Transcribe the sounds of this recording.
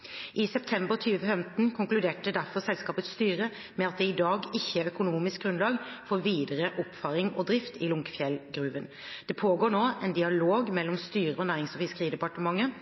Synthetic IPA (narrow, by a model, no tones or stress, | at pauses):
ʔɪsɛp̚t̪ʰɛmbəʁt̪ʰyːʋəfɛmt̪n̩kʰʊŋklʉd̪eːʈəd̪æɾfɔɾsɛlskɑːpət̪st̪yːʁə | mɛɑt̪̚d̪ɛɪd̪ɑːɡɪçːəœkʊnuːmɪsk̚ɡʁʉnlɑːɡfɔːɾʋiːd̪əɾəʔɔpfɑɾɪŋɔd̪ɾɪft̪ɪlʊŋkfjɛlɡɾʉːʋən | d̪̥ɛpʰoːɡoːɾɳoːɛnd̪ɪɑloːɡmɛlːɔmst̪yːɾəɔnæːɾɪŋsɔfɪskʁiːd̪ɛpɑʈəmɑŋːə